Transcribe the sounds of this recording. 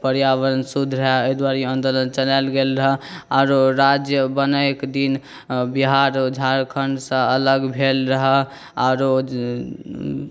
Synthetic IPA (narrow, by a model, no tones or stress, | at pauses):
pəɾjaʋəɾənsud̪ʱɾəɦɛod̪waɾiənd̪olənt͡ʃəlalɡelɾəɦəaʊɾoɾad͡ʒjəbənəkd̪in | biɦaɾd͡ʒʱaɾkʰəɳɖsə̃ələɡbʱelɾəɦɛ | aʊɾo